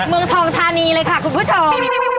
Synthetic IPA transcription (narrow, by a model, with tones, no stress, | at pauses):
mɯ˧əŋt̪ʰɔː˧ŋt̪ʰaː˧niː˧lɤː˧jkʰa˥˩kʰu˧npʰuː˦˥˩t͡ɕʰo˧m